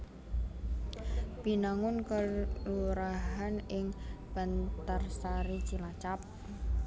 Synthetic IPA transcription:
b̥i̤naŋʊnkəluɾaɦanɪŋb̥a̤nt̪ərsaɾit͡ʃilat͡ʃap̚

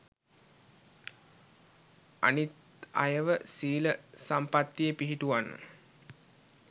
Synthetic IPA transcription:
a̰nit̪ | a̰jəʋəsiːləsampat̪ːijəpiɦiʈuʋanːə̰

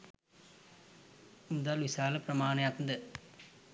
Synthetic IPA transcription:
mʊd̪aːlʋɪsaːlɐpɪɾɐmaːnɐjaːt̪nd̪ɐ

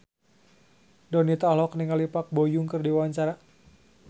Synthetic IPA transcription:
dɔnit̪alɔkniŋalipak̚bojuŋkɨrdiwwaɲt͡ʃaɾa

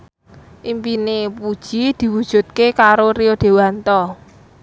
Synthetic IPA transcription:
ʔimpinepud̥ʒ̥id̪̥i̤wud̥ʒ̥ṳt̪̚kekaɾoɾiod̪̥e̤want̪ɔ

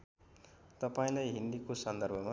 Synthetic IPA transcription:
t̪ʌpaĩlajɦind̪ikosʌnd̪ʌrbʱʌma

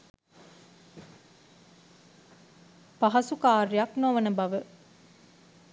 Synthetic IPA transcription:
paɦɐsukaːɾjaknoʋənəbɐʋə

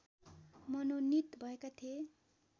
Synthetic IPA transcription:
mʌnonit̪bʱʌekat̪ʰie

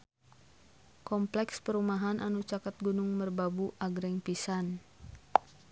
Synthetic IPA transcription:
kɔmplɛkspəɾumaɦanʔanut͡ʃakat̪̚ɡunʊŋmərbabuʔaɡɾɛŋpisan

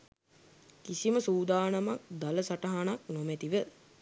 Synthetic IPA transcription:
kisiməsuːd̪aːnamak̚d̪aləsaʈaɦanaknomɛt̪iʋə

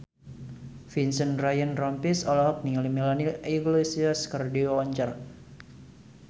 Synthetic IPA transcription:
finsənrajənrɔmpisɔlaɦɔk̚nilimilaniʔiɡlesiaskardioɔɲt͡ʃər

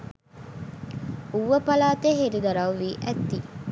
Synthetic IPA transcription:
uʋːəpɐlaːt̪eɦeɾid̪ɐɾɐʋʋiːʔæt̪ːi

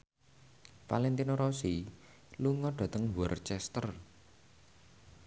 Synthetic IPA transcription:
falɛnt̪inoɾɔsi | luŋɔɖ̥ä̤t̪əŋwɔrt͡ʃɛst̪ər

